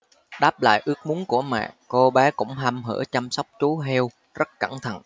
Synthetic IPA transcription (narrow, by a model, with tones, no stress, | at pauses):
ɗaː˦˥p̚la̰ː˧˨jʔɨ˦˥ək̚mu˨˦ənku˧˩əmɛ̰ː˧˨ko˧ɓaː˨˦kʊ̰˧˥ŋ͡mɦa˧mɦə̰ː˧˩t͡ɕa˧msa˦˥wk͡p̚t͡ɕu˨˦ɦɛ˧w | zə˦˥t̚ka˧˩ŋt̪ʰə̰˧˨n